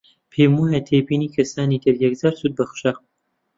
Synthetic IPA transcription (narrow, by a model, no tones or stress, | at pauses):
pʰeːmujɐt̪ʰeːbiːniːkʰɐsaːniːt̪ʰɨɾjɐk̚zaːɾsuːd̪̚bɐxʃa